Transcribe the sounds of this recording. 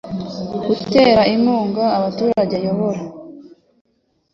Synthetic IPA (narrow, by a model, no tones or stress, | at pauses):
ɡ̥ute̞ːɾaimuːŋɡaːβatuːɾaɟejo̞βoɾa